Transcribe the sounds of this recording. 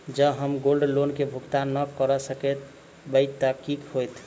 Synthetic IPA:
d͡ʒəɦəmɡolɖlonkebʱukt̪anəkəɾəsəkɛt̪ | bəjt̪ːəkikhojt̪ʰ

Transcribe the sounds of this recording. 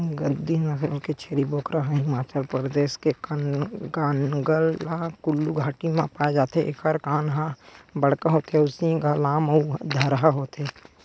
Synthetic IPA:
ɡəd̪inãseket͡ʃʰeːɾiboːkɾaɦɛ̃ɦɪmaːt͡ʃəlpɾd̪eːʃkekənɡaːnɡəlːakʊlːuɡʱaːʈimãpaːed͡ʒaːt̪eʔḛkəɾkaːnɦãbəɽkaɦoːt̪ɦɛʊsĩɡalaːməud̪ʱəɾɦaɦoːt̪ɛː

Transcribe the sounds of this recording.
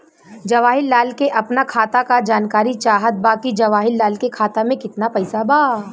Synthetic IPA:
d͡ʒɐʋaːɦɪlːaːlkeʔɐpnakʰaːt̪akad͡ʒaːnkaːɾit͡ʃaːɦət̪̚baːkid͡ʒɐʋaːɦɪlːaːlkekʰaːt̪amẽkɪt̪napɛɪsabaː

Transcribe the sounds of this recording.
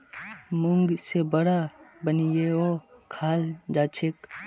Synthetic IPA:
mʊŋɡsebəɽabənijeokʰaːld͡ʒaːt͡ʃʰek

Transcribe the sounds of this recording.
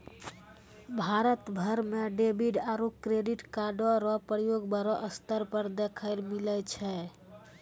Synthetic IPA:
bʱaɾət̪bʱəɾmeɖebiɖaɾukɾeɖiʈkaɖoɾɔpɾəjoɡbəɾɔʔəst̪əɾpəɾd̪ekʰəɪlmilət͡ʃʰɛ

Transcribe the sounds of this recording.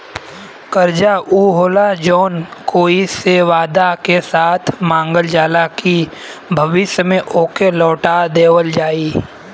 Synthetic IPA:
kəɾd͡ʒaʔuːɦoːlad͡ʒɔːnkoːiseʋaːd̪akesaːt̪ʰmãːŋɡəld͡ʒaːlaki | bʱəʋɪʃjəmẽʔoːkelɔːʈad̪eːwəld͡ʒaːiː

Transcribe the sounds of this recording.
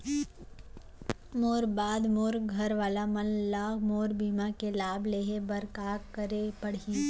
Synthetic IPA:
moːɾbaːd̪moːɾɡʱɐɾʋaːlamɐnlaːkmoːɾbiːmakelaːbleːɦebɐɾkaːkəɾepɐɽi

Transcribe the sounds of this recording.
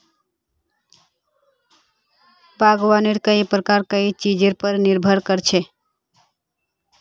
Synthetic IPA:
baɡwaniɾkəipɾəkaɾkəit͡ʃid͡ʒeɾpəɾniɾbʱəɾkəɾt͡ʃʰe

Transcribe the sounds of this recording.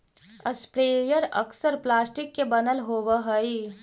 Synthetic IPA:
əspɾeːjəɾɐ̰ksəɾplaːsʈɪkːebɐnəlɦoːwəɦəi

